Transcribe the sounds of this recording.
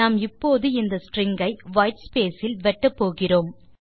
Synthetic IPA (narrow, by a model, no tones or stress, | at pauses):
aːmɪpːoːðɯɪnd̪ɐsʈrɪŋɡɐɪʋɐːjʈspeːsɪlʋɛʈːɐpːoːɣɪroːm